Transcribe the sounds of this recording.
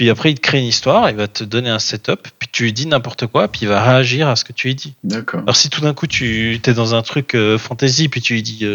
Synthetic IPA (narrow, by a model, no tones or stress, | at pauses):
pɥiapχɛilkχeynist̪waʁeilvat̪ʰəd̪ɔneɛ̃sɛt̪ɔpːɥit̪ʰyɛd̪inɛ̃pɔʁt̪əkwapiːvaʁeaʒiʁasə̥kət̪yɛd̪id̪akɔlɔ̰ʁsit̪ud̪ɛ̃kut̪ʰyt̪yɛd̪ɑ̃zɛ̃t̪χykøfɑ̃t̪ezipɥit̪yed̪iø